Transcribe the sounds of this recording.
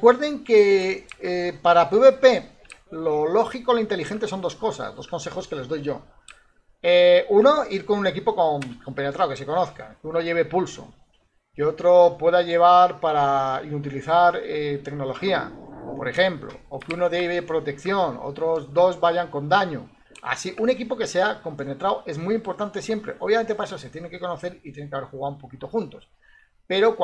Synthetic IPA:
rekwe̞ɾðe̞ŋkeepaɾapeuβe̞pe̞ | lo̞lo̞xikoloint̪e̞lixe̞nt̪e̞so̞nd̪o̞sko̞sa̰zd̪o̞sko̞nse̞χo̞ske̞le̞zðo̞jʝo̞ | euno̞iɾkonune̞kipo̞komko̞mpe̞net̪ɾawke̞se̞ko̞noθka̰keuno̞ʝe̞βe̞pulso̞̰ | keo̞t̪ɾo̞pwe̞ðaʝe̞β̞aɾpaɾainut̪̬iliθaɾet̪e̞kno̞lo̞xia̰po̞ɾe̞xe̞mplo̞̰okuno̞ðeβ̞e̞pɾo̞t̪e̞kθjo̞no̰t̪ɾo̞zd̪o̞zβaʝaŋko̞nd̪aɲo̞ | a̰siʔune̞kipo̞ke̞se̞ako̞mpe̞ne̞t̪ɾawʔe̞zmuijimpo̞ɾt̪ant̪e̞sje̞mpɾe̞̰ʔo̞βjamnt̪epaes̬ose̞t̪je̞neŋke̞ko̞no̞θe̞ɾit̪jeneŋkeaβe̞ɾxuɣawumpo̞kit̪o̞xunt̪o̞s | pe̞ɾo̞kw

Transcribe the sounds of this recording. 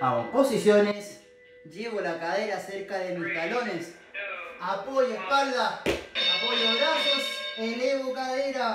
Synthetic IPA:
aoposisjones | d͡ʒiβolakaðeɾaseɾkaðemuɾt̪alones | apoʎehpalaapoʎeβɾasoseleβokaðeɾa

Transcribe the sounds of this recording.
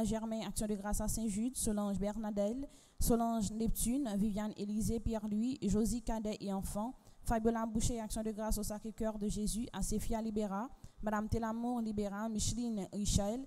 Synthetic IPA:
ʒɛʁmɛ̃aksjɔ̃d̪əɡʁasasɛ̃ʒyd̪solɑ̃ʒbɛʁnad̪ɛl | solɑ̃ʒnɛp̚t̪ynvivjanelizepjɛʁlɥiʒozikad̪ɛʔeɑ̃fɑ̃fabjolabuʃeaksjɔ̃d̪əɡʁasosakχekʲœʁd̪əʒezyʔasefialibeʁamad̪amt̪elamuʁlibeʁamiʃlinʁiʃɛl

